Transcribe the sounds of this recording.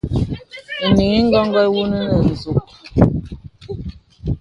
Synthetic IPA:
ni˨ŋi˦ŋ̩˦ɡɔ˦ŋ˦ɡɔ˦wu˦nə˦nə˨n̩˨zu˨k̚

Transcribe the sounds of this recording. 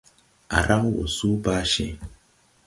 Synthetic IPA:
a̰˨ɾʔa˦ŋ˦wo̰˨su˦ba˦ʃẽ˦

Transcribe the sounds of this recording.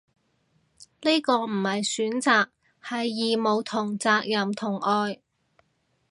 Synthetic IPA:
ne˥kɔː˧m̩˨˩hɐ˨jsyː˨˥nt͡saː˨k̚ | hɐ˨jːiː˨mo˨˧wt̪ʰʊ˨˩ŋt͡saː˧k̚jɐ˨mt̪ʰʊ˨˩ŋʔɔː˧j

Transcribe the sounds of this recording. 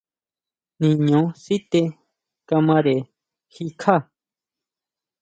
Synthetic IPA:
nĩ˨ɲõ˨˦si˦t̪e˧ | ka˧mã˧ɾe˨ | xi˧kʰa˦˨

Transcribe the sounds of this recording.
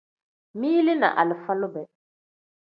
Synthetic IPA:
miː˦lɪ˦na̰˨ʔa̰˨lɪ˨fa˦lʊ˦bɛ˨

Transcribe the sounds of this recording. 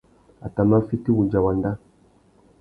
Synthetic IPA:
a˨ta˨n˦a˦fi˦ti˦wu˨d͡ʒa˨wa˨nda˦

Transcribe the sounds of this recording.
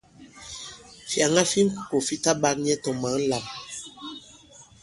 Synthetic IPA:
fja˨ŋa˦fi˦ŋ˦˨ko˨fi˦ta˦ba˦k̚ɲɛ˦tɔ˨ma˨˦la˨m

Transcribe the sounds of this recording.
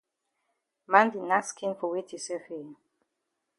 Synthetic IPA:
mã˦ndi˨na˦skʰĩ˦nfɔ˨we˦tʰi˨sɛ˦fe˨

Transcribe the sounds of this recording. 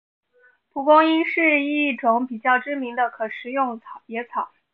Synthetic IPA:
pʰu˨˩kʊ˥ŋi˥nʂɻ̩˥˧i˥˩ʈ͡ʂʊ˧˩˥ŋpi˨˩t͡ɕjɑ˥˩ʊʈ͡ʂɻ̩˥mi˧˥ŋd̪ə˧kʰɤ˨˩ʂɻ̩˧˥jʊ˥˩ŋt͡sʰɑ˨˩ʊpjɛ˧˥t͡sʰɑ˨˩˦

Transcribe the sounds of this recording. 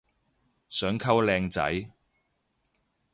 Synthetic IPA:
sœː˨˥ŋkʰɐ˥wlɛː˧ŋt͡sɐ̰˨˥j

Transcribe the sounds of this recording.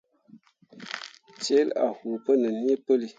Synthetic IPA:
t͡ʃe˦la̰˨hu˨pə˦nə˨n˦i˦pə˦li˦

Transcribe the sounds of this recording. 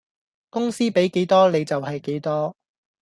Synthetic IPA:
kʊ˥ŋsiː˥pe˨˥jke˨˥jt̪ɔː˥le˨˧jt͡sɐ˨whɐ˨jke˨˥jt̪ɔː˥

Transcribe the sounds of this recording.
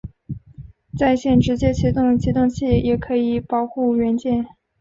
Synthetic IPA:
t͡sa˥˧ɪɕjɛ˥˩nʈ͡ʂɻ̩˧˥t͡ɕjɛ˥t͡ɕʰi˧˥t̪ʊ˥˧ŋt͡ɕʰi˧˥t̪ʊ˥˧ŋt͡ɕʰi˥˩jɛ˨˩kʰɤ˧˥i˨˩pɑ˨˩ʊxu˥˩ɥɛ˧˥nt͡ɕjɛ˥˩n

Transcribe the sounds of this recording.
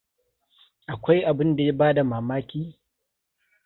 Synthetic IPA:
ʔa˨kʷa˦jʔa˨bɪ˦nda˨ja˦baː˦da˨maː˨maː˦kʲiː˦

